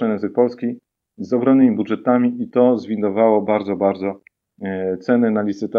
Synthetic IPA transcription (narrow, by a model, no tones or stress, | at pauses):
ajɛ̃nzɘk̚pɔlskʲi | zɔɡɾɔnnɘmʲibud̪ʐɛt̪amʲiit̪ɔzvʲind̪ɔvawɔbaɾd̪zɔbaɾd̪zɔ | t̪sɛnɛnalʲit̪sɘt̪a